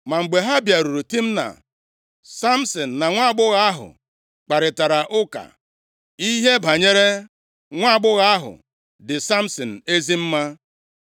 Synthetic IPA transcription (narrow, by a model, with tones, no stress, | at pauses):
ma˨ŋ͡m̩˨ɡ͡be˨ɦa˦bja˨ɾu˨ɾu˨ti˦m̩˦na̰˨ | sa˦m̩˦sɔ˨n̩˨na˨ŋʷa˦˨ɡ͡bʊ˦ɣa˦a˦ɦʊ̰˨ | k͡pa˨ɾɪ˨ta˨ɾa˨ʔʊ˦ka̰˨ | i˦ɦe˦bʱa˨ɲe˦ɾe˦ | ŋʷa˦˨ɡ͡bʊ˦ɣa˦a˦ɦʊ̰˨ | dɪ˨sa˦m̩˦sɔ˨n̩˨e˦zi˦m̩˦ma˦